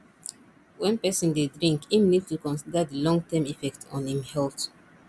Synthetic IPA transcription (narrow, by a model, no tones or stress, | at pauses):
wɛ̃npɛsɔ̃ndedɹĩŋkĩmnidtukɔ̃nsidadilɔ̃ŋɡtʰɛ̃mifɛk̚tʰɔ̃nĩmhɛlt